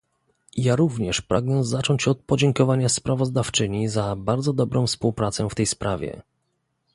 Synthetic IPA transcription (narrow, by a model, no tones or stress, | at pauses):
jaɾuvɲɛʂpɾʔa̰ɡnɛzat͡ʂɔɲt͡ɕɔt̪̚pɔd͡ʑɛŋkɔvaɲaspɾavɔzd̪aft͡ʂɘɲizabaɾd̪zɔd̪ɔbɾɔ̃w̃fspuwpɾat̪sɛft̪ɛjspɾavʲjɛ̰